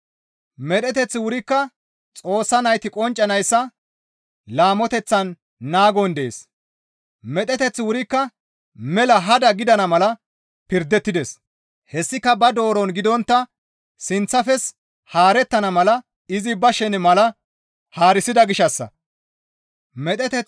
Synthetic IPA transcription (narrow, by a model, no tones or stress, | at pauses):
mɛɗ̪ɛt̪ɛt͡sːɪwʊɾɪkːɐ | t͡sʼo̞ːsːɐnɐjt̪ɪkʼɔnt͡ʃʼːɐnɐjsːɐ | laːmɔt̪ɛt͡sːɐnː | aːɡɔnd̪ɛḛːs | mɛt̪ʼɛt̪ɛt͡sːɪwʊɾɪkːɐ | mɛlɐɦɐd̪ɐɡɪd̪ɐnɐmɐlɐ | pɪɾd̪ɛt̪ːɪd̪ɛs | hɛsːɪkːɐbɐd̪o̞ːɾɔnɡɪd̪ɔnt̪ːɐ | sɪnt͡sːɐfɛs | haːɾɛt̪ːɐnɐmɐlɐ | ɪzɪbɐʃɛnmɐlɐ | haːɾɪsɪd̪ɐɡɪʃɐsːɐ̰ | mɛt̪ʼɛt̪ɛ